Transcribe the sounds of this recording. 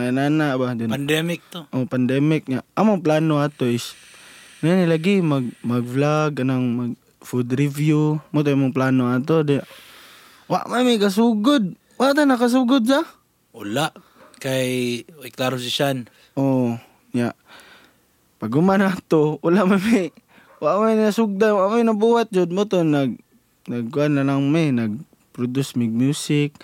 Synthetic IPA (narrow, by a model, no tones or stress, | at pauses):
aananaʔbad̪onandɛmɪk̚t̪oʔopand̪ɛmɪk̚ɲaʔamoŋplaːnoat̪oɪs | naanɪlaɡɪmaɡ̚maɡflaɡ̚kanaŋmaɡ̚ | fud̪ɾɪvjumʊt̪̬ojamʊŋplaːnoat̪̬odɪaʔ | wa̰ʔmamikas̬uɡʊd̪̚ | waʔt̪anakas̬uɡʊd̪̚sa | ʊlaʔ | kajɪklaːɾos̬ɪʃan | ʔo | ɲaʔ | paɡʊmanat̪oʔʊlaʔmamɪ | waʔmajnasʊɡ̚d̪anwaʔmaɪnabuːɦat̪̚d͡ʒʊd̪̚mʊt̪onaɡ | naɡ̚kʊʔanlalaŋmɪnaɡ̚ | pɾʊd̪ʊsmɪɡ̚mjuːsɪk̚